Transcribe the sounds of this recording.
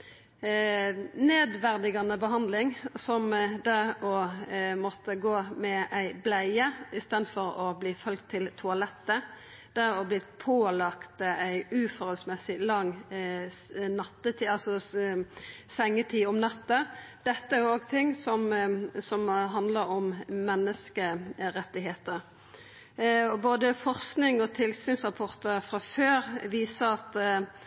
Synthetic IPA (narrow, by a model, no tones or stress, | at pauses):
neːd̪ʋæʁd̪ɪɡɑnəbəɦɑnd̪lɪŋsɔmd̪ɛɔmɔt̪ːəɡoːmɛʔæɪblæɪəɪst̪eːd̪fɔɾɔbliːfœlk̚t̪ʰːɪlt̪ʰʊɑlɛt̪ːə | d̪̥æɾɔbliːpʰoːlɑkt̪əæɪʉfɔɾœlsmɛsɪlɑŋ | nɑt̪ːət̪ʰiːɑlsɔ | sɛŋːət̪ʰiːɔmnɑt̪ːəd̪̥ɛt̪ːəæɾjʊoːɡt̪ʰɪŋːsɔmsɔmɦɑnd̪ləɾɔmmɛnːəskəɾɛt̪ːɪɦeːt̪əɾ | ɔboːd̪əfɔʁsknɪŋɔt̪ʰɪlsyːnsʁɑpʰɔʁt̪əɾfʁɑføːɾʋiːsəɾɑt̪